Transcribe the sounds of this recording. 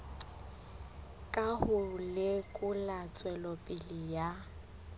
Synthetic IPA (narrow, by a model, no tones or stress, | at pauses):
kʼahʊlɪkʼʊlat͡sʼwɛlɔpʼɪlija